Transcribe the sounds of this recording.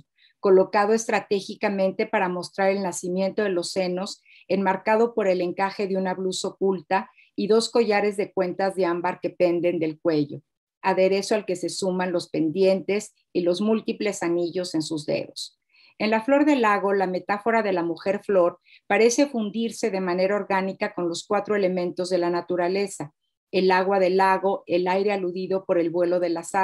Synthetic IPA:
ko̞lo̞kaðoe̞st̪ɾat̪e̞xikamẽnt̪e̞paɾamo̞st̪ɾaɾe̞lnasimje̞nt̪o̞ð̞e̞lo̞sːe̞no̞s | e̞nmaɾkað̞o̞po̞ɾe̞le̞ŋkaxe̞ðeunaβluso̞k̚ult̪a | iðo̞sko̞ʝaɾe̞zðe̞kwe̞nt̪azðe̞ambaɾke̞pe̞nd̪e̞nd̪e̞lk̚we̞ʝo̞̰ | aðe̞ɾe̞soalke̞se̞sumãnlo̞spe̞nd̪je̞nt̪e̞s | ilo̞zmult̪iple̞saniʝo̞se̞nsuzðe̞̰ðo̞s | e̞nlaflo̞ɾðe̞laɣo̞lame̞t̪afo̞ɾaðe̞lamuxe̞ɾflo̞ɾ | paɾe̞se̞fund̪iɾse̞ðe̞mane̞ɾao̞ɾɣanikako̞nlo̞skwat̪ɾo̞e̞le̞mẽ̞nt̪o̞zðe̞lanat̪uɾale̞sa | e̞laɣwaðe̞laɣo̞elajɾe̞aluðiðo̞po̞ɾe̞lβwe̞lo̞ðe̞lasa

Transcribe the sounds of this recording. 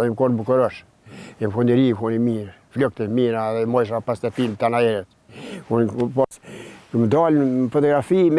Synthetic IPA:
ɛmkɔnbukɔɾɔʃ | ɛmkund̪ɛɾikunimiɾ | flɔk̚t̪ɛmiɾaðɛmɔjʃ̬apast̪at̪int̪anaɛɾɛt̪ | kunipɔsmd̪alfɔt̪ɔɡɾafim

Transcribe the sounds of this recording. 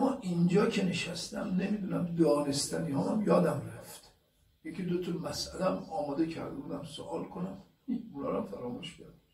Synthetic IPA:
æmːɒːʔind͡ʒɒːcʰe̞neʃæst̪ʰæ̰mnemiːd̪uːnæmd̪ɒːnest̪ʰæniːhɒːmæmjɒːd̪æmræft̪ | jekʰʲid̪ot̪ʰɔmæsʔælææmɒːmɒːd̪ecʰæɾd̪ebuːd̪æmsoʔɒːlkʰonæm | iunɒːɾæmfæɾɒːmuʃcʰæɾd̪e

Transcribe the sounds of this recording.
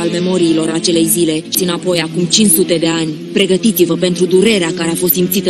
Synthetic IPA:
alme̞mo̞ɾiːlo̞ɾat͡ʃe̞le̞jzile̞ʃiɨnapo̞jakumt͡ʃint͡ʃsut̪e̞d̪e̞anʲ | pɾe̞ɡət̪it̪sivəpe̞nt̪ɾud̪uɾe̞ɾeakaɾeafo̞st̪simt̪sit̪ə

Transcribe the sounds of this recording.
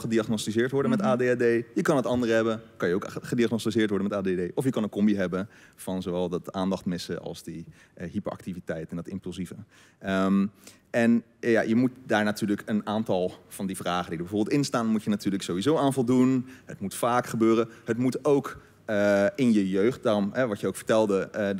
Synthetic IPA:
χədiɑχnostizɪːɹtʋɔɹdənmɛtaːdeadejjəkɑnətɑndərəɦɛbənkɑnjəowkχədiaχnostizɪːɹtʋɔɹdənmɛtaːdedejʔɔfjəkɑnənkɔmbiɦɛbənv̥ɑnzowʋɛlˠdɑtaːndɑχtmɪsəʔɑ̰lˠzdi | ɦipəɹʔɑ̰k̚tivitɛjtɛndɑtɪ̰mplˠzivə | əm | ɛn | ja̰jəmut̚daːɹnatyːɹləkənaːntɑlˠv̥ɑndivraːχəndidəbɛvoːbɪlˠtɪnstaːnmutjənatyːɹləksowʋizowaːnvɔlˠdunɦətmutfaːkχəbøːrəhətmutowk | əɪnjəjøɥχt̚daːrɔmɦɛʋɑtjəowkfəɹtɛlˠdə

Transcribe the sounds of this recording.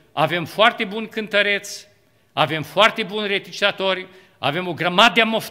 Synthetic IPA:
ave̞mfoart̪e̞bunʲkɨnt̪əɾe̞t̪sʲ | ave̞mfoart̪e̞bunʲre̞t̪it͡ʃi̥at̪o̞rʲ | a̰ve̞mo̞ɡɾamad̪d̪eamof

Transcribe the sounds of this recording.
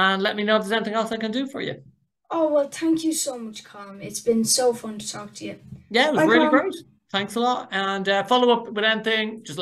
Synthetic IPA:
ə̃nlɛt̚minoʊzɛnɪθɪ̃ŋɛlˠsaɪkə̃ndəfə̰˞jʉ̰ | oʊwɛlˠθæ̃ŋkʰjəsoʊmʌt͡ʃkʰɑ̃ːmɪtsb̥ɪ̃nsoʊfʌ̃ntʰə̥tʰɔˑk̚tʰəjɨjæɪt̚wzɹɪːliɡɹʉt | θæ̃ŋksəlɔtə̃nʌfɑloʊʊpwɪðɛnɪθɪ̃ŋd͡ʒʌs

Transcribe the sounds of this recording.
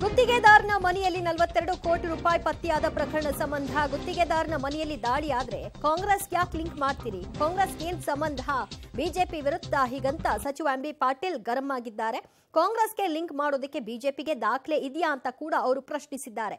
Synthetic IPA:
ɡot̪ːiɡeːd̪aːɾnɐmɐnɛjɐlːinɐlʋɐt̪ːeɾɐɽukoːʈiɾuːpaːjpɐt̪ːijaːd̪ɐpɾɐkɐɾɐɳɐsɐmbɐnd̪ʱɐɡot̪ːiɡeːd̪aːɾnɐmɐnɛjɐlːid̪aːɭiaːd̪ɾe̞kaːŋɡɾesjaːkliŋkmaːɖt̪iːɾikaːŋɡɾesɡeːnd̪sɐmbɐnd̪ʱɐbiːd͡ʒe̞ːpiʋiɾud̪ʱːɐɦiːɡɐnt̪ːɐsɐt͡ʃiʋambipaːɾʈiːlɡɐɾɐmaːɡid̪ːaːɾe̞ | kaːŋɡɾeːsɡe̞liŋkmaːɽoːd̪ɐkːe̞biːd͡ʒe̞ːpiɡe̞d̪aːkʰle̞ʔid̪jaːnt̪ɐkuːɽɐːʋɐɾupɾɐʃɳisid̪ːaːɾe̞

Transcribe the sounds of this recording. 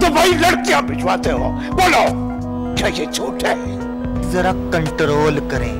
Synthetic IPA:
t̪obʱailɐɽkijãbɪt͡ʃʋaːt̪eɦo̰ | woloː | kaket͡ʃʰuːʈʰe | zɐɾaːkəɳʈɾoːlkəɾḛ̃ː

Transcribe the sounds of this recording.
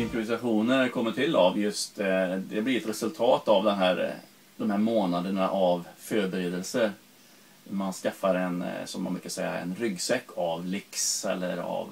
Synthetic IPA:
ɪmpɾʊvɪsaɧuːnəɾkʰɔmːəʈʰɪlːavjɵst̪d̪ɛblɪɾɛt̪ɾɛsɵlt̪ʰɑːt̪avd̪ɛnɦæːɾ | d̪̥ɔmhæːɾmoːnad̪əɳaʔavfœɾbɛɾeːd̪əlsəɾ | manskafːaɾɛnsɔmːa̰nbʉ̰ɾkasɛjːa̰ɛ̰nɾʏɡːsɛkːavlɪksɛ̰lːə̰ɾa̰v

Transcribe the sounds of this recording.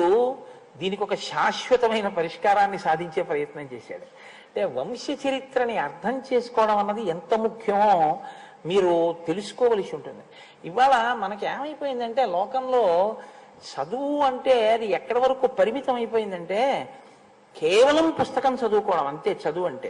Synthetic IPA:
u | d̪iːnikiɔkɐʃaːʃʋɐt̪ɐmɐjnɐpɐɾiʂkaːɾaːnːisaːd̪ʱiɲt͡ʃe̞ːpɾɐjɐt̪nɐmt͡ʃe̞̰ːsa̰ːɽu | ɐɳʈe̞ːʋɐmʂjɐt͡ʃɐɾit̪ɾɐniɐɾt̪ʰɐmt͡ʃe̞ːsu̥kɔːʋɐɽɐmɐnːɐd̪ient̪ɐmukʰjɐmo | miːɾut̪e̞lusu̥kɔːʋɐlisiuɳʈund̪i | iʋaːɭɐmɐnɐkeːmɐjipo̞ːjind̪ɐɳʈe̞ːlɔːkɐmlo̞ː | t͡ʃɐd̪uuɐɳʈe̞ːɐd̪iɛkːɐɽɐʋɐɾɐkuːpɐɾimit̪ɐmɐjipo̞ːjind̪ɐɳʈe̞ː | kʰɛːʋɐlɐmpust̪ɐkɐmt͡ʃɐd̪uːkɔːɽɐmɐɳt̪e̞ːt͡ʃɐd̪uɐɳʈe̞ː

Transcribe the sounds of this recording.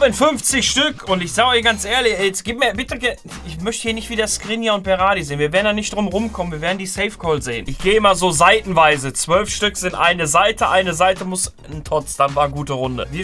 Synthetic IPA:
ɪnfʏnft͡sɪçʃtʏkʰʊntɪçz̥aːɡɔçɡ̥ant͡sʔeːɐlɪçɛɛt͡sɡ̥iːp̚miːɐbɪtəɡə | ʔɪçmœçtəhiːɐnɪçtv̥iːdɐskʁ̥ɪnjaʊnt̚b̥ɛʁaːɾizeːənviːɐveɐdndanɪçd̥ʁʊmʁʊmkʰɔmən̩viɐveːɐdn̩diːsɛɪfkʰɔlz̥eːənʔɪçɡ̥eːəɪmɐzoːzaɪtn̩vaɪzət͡sv̥œlfʃtʏkz̥ɪntʔa̰ɪnəzaɪtəʔaɪnəzaɪtəmʊs | n̩tʰʁɔt͡sd̥anvaːɐɡuːtəʁʊndə̰vi

